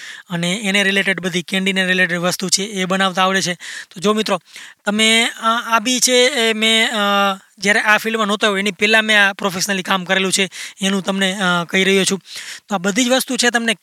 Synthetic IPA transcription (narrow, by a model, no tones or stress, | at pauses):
əneːneɾileʈeɖbəd̪ʱikɛ̃ɳɖineɾileʈ̬eɖʋəst̪ut͡ʃʰeːbənaʋt̪ãːʋɭet͡ʃʰet̪od͡ʒomɪt̪ɾot̪əmeabit͡ʃʰeːmẽ | d͡ʒjaɾeʔafilmənot̪əɦoenipɛlãmẽapɾofeʃnəlikamkəɾelũt͡ʃʰeːnũt̪əmnekəiɾəɦjut͡ʃʰũt̪oabəd̪ʱid͡ʒʋəst̪ut͡ʃʰet̪əmne